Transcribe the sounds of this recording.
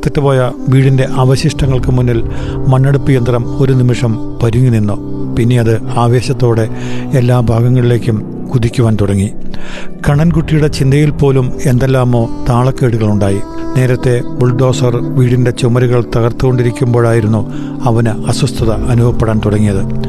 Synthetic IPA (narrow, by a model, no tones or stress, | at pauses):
t̪ːɐtːɨpo̞ːjɐʋiːɽinde̞ʔɐʋɐɕiʂʈɐŋːɐɭkɨmunːilmɐnːɐɽupːijɐnd̪rɐmo̞ɾunimiʂɐm | pɐɾuŋːuninːupinːe̞jɐðɨaːʋe̞ːɕɐt̪ːo̞ːɽe̞elːaːbʱaːɡɐŋːɐɭile̞ːkʲːum | kuðikʲːuʋaːnt̪uɽɐŋːi | kɐɳɐnkuʈːijuɽe̞t͡ɕind̪ɐjilpo̞ːlume̞nd̪elːaːmo̞ːt̪aːɭɐkːeːɽuɣɐɭuɳɖaːjine̞ːɾɐt̪ːe̞buɭɖo̞ːsɐrʋiːɽinde̞t͡ɕumɐɾiɣɐɭt̪ɐɣɐrt̪ːuɣo̞ɳɖiɾikʲːumbo̞ːɻaːjiɾunːu | ɐʋɐnɨɐswɐst̪ʰɐðɐɐnubʱʋɐpːeɽaːnt̪uɽɐŋːijɐðɨ